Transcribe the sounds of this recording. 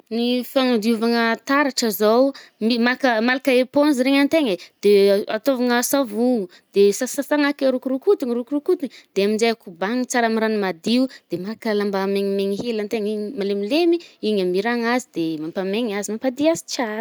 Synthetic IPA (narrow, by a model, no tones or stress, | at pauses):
nifaŋad̪iuvaŋət̪aɾaʈ͡ʂəzowmimakəmalakəeponziɾeŋant̪eŋəd̪̥ea̰t̪ovaŋəsavuŋu | d̪̥esasasaŋakaɾukuɾukut̪iŋiɾukurukut̪iŋid̪̥eamind͡ʒajakubaŋit͡saɾamiɾanimad̪iud̪̥emaɾakəlambameɲimeɲiɦelant̪eŋiɲimalemilemiiɲamiɾaŋazid̪̥emampameɲazimampad̪iazi̥t͡ʃaɾə̥